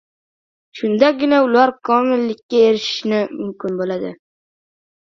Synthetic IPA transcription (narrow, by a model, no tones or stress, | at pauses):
ʃʊnd̪aɡʲɪnaʊlaɾkʰɒmɪlːɪkʲːaeɾɪʃɪ̥ʃnɪmʊmkʲɪnbolad̪ɪ̰